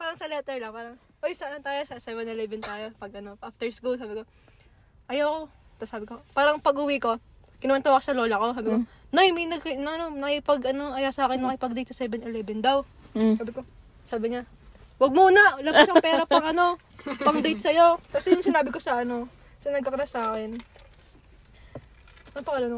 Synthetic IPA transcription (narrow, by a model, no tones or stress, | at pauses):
paːɾɐŋsɐlɛt̪ɛɹlɐŋpaːɾɐŋ | ʔojsɐɐnot̪aːjosɐsɛvɛnɛlɛvɛnt̪aːjo̞pɐɡɐno̞ʔaft̪ɛɹskulsaːbɪko̞ | ʔɐjawko̞ | t̪ɐsaːbɪko̞paːɾɐŋpɐɡʊwiko̞ | kɪnɐwɐnt̪okosɐlo̞ːlɐko̞saːbɪko | nojmɐjnɐɡknɐʔɐno̞nɐkipɐɡʔɐno̞ʔɐjasɐʔaːkɛnmɐkɪpɐɡd̪ɐjt̪sɐsɛbɛnɛlɛbɛnd̪aw | saːbɪko̞ | saːbɪɲa | wɐɡ̚muːnaʔlabaʃɐpɛːɾɐpɐŋʔɐno̞ | pɐɡd̪ejt̪̚sɐjo̞k̪ɐsɛjʊŋsɪnaːbɪko̞sɐʔɐno̞ | sɐnɐɡ̚kɐkɾasaːkɛn | ɐpɐkɐlon